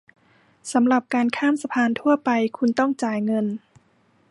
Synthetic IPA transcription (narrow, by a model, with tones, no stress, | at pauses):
sa˩˦mla˨˩p̚kaː˧nkʰaː˥˩msa˧pʰaː˧nt̪ʰu˥˩ɐpa˧jkʰu˧nt̪ɔ˥˩ŋt͡ɕaː˨˩jŋɤ˧n